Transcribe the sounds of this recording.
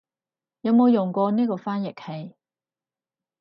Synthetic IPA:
jɐ˨˧wmo˨˧wjʊ˨˩ŋkʷɔː˧niː˥kɔː˧faː˥njɪ˨k̚he˨˧j

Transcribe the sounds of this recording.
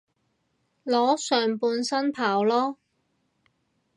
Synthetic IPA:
lɔː˨˥sœː˨ŋpuː˧nsɐ˥npʰaː˨˩wlɔː˥

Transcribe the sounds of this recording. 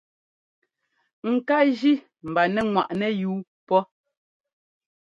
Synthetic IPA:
ŋ̩˨ka˦ʒi˦ | m̩˨ba˨nɛ˨ŋwa˨ʔnɛ˨juː˨˦ | pɔ˦

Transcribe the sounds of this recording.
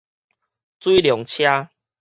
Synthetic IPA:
t͡swi˦ljɔ˨˩˦ŋt͡ɕʰja˦

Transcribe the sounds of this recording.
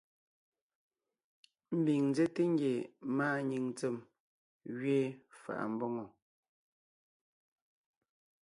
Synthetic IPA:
m̩˦bi˨ŋn˦ze˦te˦ŋ˦ɡje˨maː˦˨ɲi˨ŋt͡se˨m | ɣɥeː˦fa̰˨ʔa̰˨m̩˨bɔ˦ŋɔ˨

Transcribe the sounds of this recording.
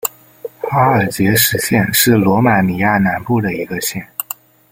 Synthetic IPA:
xa˥ə˞˨˩t͡ɕjɛ˧˥ʂɻ̩˧˥ɕjɛ˥˧nʂɻ̩˥˩lwɔ˧˥ma˨˩ni˨˩ja˥˩na˧˥npu˥˩d̪ə˩i˧˥ɡə˧ɕjɛ˥˩n

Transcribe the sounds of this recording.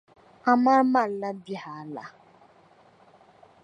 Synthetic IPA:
a˨ma˦ɾma˦˨˦la˦bi˦ha˨˦˨la̰˦

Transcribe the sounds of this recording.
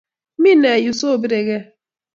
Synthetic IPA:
mi˦ne˨ju˨so˦˨bi˦ɾe˨ɡe˦

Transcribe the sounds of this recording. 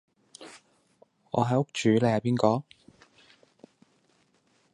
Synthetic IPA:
ŋɔ̰ː˨˧ɦɐ˨˥jʊ˥k̚t͡ʃyː˨˥lɛ˨˧hɐ˨˧piː˥nkɔː˨˥

